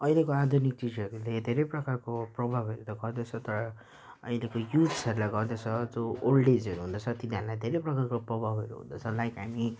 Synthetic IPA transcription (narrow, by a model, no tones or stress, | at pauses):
ʌjlekoad̪ʱunik̚t͡sid͡zʌɾuled̪ʱeɾejprʌkarkoprʌbʱabʱʌɾut̪ʌɡʌrd̪ʌt͡sʰʌt̪ʌɾʌ | ʌjlekojut̪sʌɾulaɡʌrd̪et͡sʰʌd͡zoːlɖed͡zʌɾuɦund̪ʌt͡sʰʌt̪iniɦaɾulajd̪ʱeɾejprʌkarkoprʌbʱabʱʌɾṵɦṵnd̪ʌt͡sʰʌlajkɦami